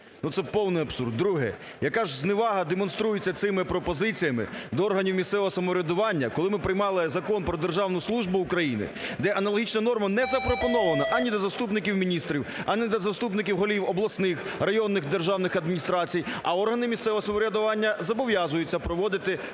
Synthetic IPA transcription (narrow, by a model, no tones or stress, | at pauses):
nut̪sɛpɔwnɪjɐbsṵrd̪̚ːɾuɦɛ̰ | jɐkɑʒznɪʋɑɦɐd̪emɔnst̪ɾujʊt͡sʲːɐt̪sɪmɪpɾɔpɔzɪt͡sʲijɐmɪ̰d̪ɔɔrɦɐnʲiwmʲist̪sɛʋɔɦɔsɐmɔɾʲɐd̪ʊʋɑnʲːɐkɔlˠɪmɪpɾɪjmɑlˠɪzɐkɔnpɾɔd̪erʒɑwnʊslˠuʒbʊːkɾɐjinɪ̰d̪ɛʔɐnɐlˠɔɦʲit͡ʃnɐnɔrmɐnɛzɐpɾɔpɔnɔʋɐnɐʔɐnʲid̪ɐzɐst̪upnɪkʲiwmʲinʲist̪ɾʲiwɐnʲɛd̪ɐzɐst̪upnɪkʲiwɦɔlʲiwɔblˠɐsnɪx | rɐjɔnːɪxd̪erʒɑwnɪxɐd̪̚mʲinʲist̪ɾɑt͡sʲijɐɔrɦɐnɪmʲisɛʋɔɦɔsɐmɔɾʲɐd̪ʊʋɑnʲːɐzɐbɔʋjɑzʊjʊt͡sʲːɐpɾɔʋɔd̪ɪt̪ɪ